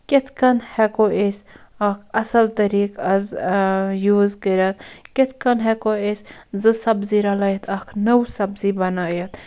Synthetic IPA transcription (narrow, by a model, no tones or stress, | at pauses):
ket̪ʰkɐnhɛkoʔesɐkʰɐsɐlt̪ɐɾiːkɐz | juːzkəɾʲɐt̪ket̪ʰkɐnɦɛkoesʲzɨsɐbziɾɐlɐjt̪ʰɐkʰnɐwsɐbzibɐnaːjɐt̪